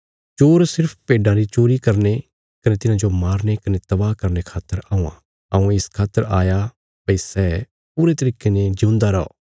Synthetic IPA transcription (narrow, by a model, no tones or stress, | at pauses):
t͡ʃoːɾsɪɾpʰpeːɖaɾit͡ʃoːɾikɐɾne | kɐnet̪ɪnãd͡ʒomaːɾnekɐnet̪ɐbaːkɐɾnekʰaːt̪ːəɾaːũːã̰ | ɐũɪskʰaːt̪ːəɾaːja | pɐisɛː | puːɾet̪ɐɾiːkened͡ʒʊ̃ːnd̪aɾɔɔ̰ː